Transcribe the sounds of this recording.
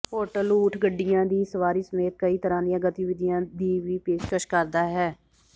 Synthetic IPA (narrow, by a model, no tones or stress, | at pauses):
poːʈəluːʈʰɡəɖːɪjãːd̪iːsəʋaːɾiːsəmeːt̪̚kəiːt̪əɾãːd̪ɪjãːɡət̪iːʋɪd̪ijãːd̪iːʋiːpeːʃkəʃkəɾd̪aːɦɛː